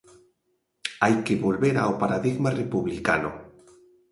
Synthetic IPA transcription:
ajkeβolβeɾaopaɾaðiɣmarepuβlika̰no̰

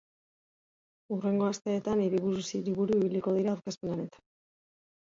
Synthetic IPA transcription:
ure̞ŋɡo̞ast̪e̞ːt̪aniɾiβuɾusiɾiβuɾuiβ̞iliko̞ðiɾaːɾkaspenane̞t̪ḁn

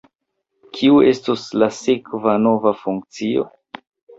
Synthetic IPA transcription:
kʰiue̞stoslasekvano̞vafuŋk̚t͡sio̰

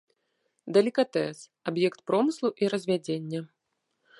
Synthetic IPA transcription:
d̪ɐlʲikat̪ɛsabjɛkt̪̚pɾɔmɨslˠuʔiɾɐzʲvʲad͡zʲenʲːɐ

